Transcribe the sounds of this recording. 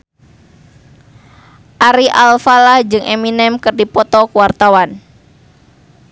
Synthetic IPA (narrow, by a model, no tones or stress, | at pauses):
ʔaɾiʔalfalahd͡ʒɨŋʔɛminɛmkɨrdipɔt̪ɔkuwart̪awan